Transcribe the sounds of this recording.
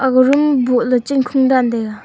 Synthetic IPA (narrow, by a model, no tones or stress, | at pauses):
ʔaχrəmɦbolət͡ɕənŋ̥kʰoŋɳɖ͡ʐand̪ek̚